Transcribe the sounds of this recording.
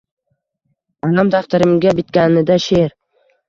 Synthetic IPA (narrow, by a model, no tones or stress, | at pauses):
anamd̪aft̪ʰaɾɪmɡʲabɪt̪ɡʲanɪd̪aʃeɾ